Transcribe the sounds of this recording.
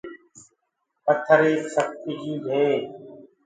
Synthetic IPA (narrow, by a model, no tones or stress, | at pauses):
pət̪ʰəɾeːsək̚t̪ɪd͡ʒiːɡʱẽː